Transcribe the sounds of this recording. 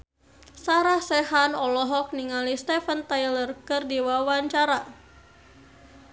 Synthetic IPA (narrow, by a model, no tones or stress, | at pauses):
saɾahsɛɦanɔlɔɦɔk̚niŋalist̪ɛfənt̪ajlərkɨrdiwawaɲt͡ʃaɾa